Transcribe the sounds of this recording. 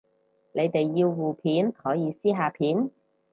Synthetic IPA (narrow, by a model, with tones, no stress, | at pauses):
nʔe˨˧jt̪e˨jːiː˧wːuː˨˩pʰiː˨˥nhɔː˨˥jiː˨˧siː˥ɦaː˧pʰiː˨˥n